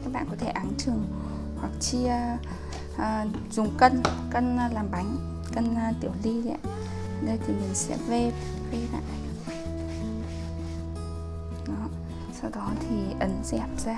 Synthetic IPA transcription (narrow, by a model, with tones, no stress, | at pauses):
kaː˦˥ɓa̰ː˧˨kɔ˧˦t̪ʰe˧˩ʔa˨˦ŋt̪ʰɨ˨˩əŋ | hwa˨˩k̚t͡ɕi˧ | ʔəː˨˩ | zʊ˨˩ŋ͡mkə˧nkə˧n˧laː˨˩mɓa˨˦jŋ̟ | kə˧n˧t̪i˧˩əwli˧za̰ː˧˥ | ɗə˧jt̪ʰi˨˩mi˨˩nsɛ̰˧˥ve˧ | ve˧ɓa̰ː˧˨n | ɗɔ˨˦ | sa˧wɗɔ˨˦t̪ʰi˨˩ʔə˨˦nzɛ˨˩p̚z̥aː˧